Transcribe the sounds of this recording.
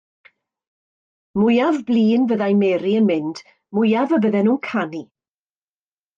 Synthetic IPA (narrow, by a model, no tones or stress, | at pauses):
mʊjavbliːnvəðajmɛːɾiənmɪnd̥ | mʊjavəbəðɛnuːnkʰani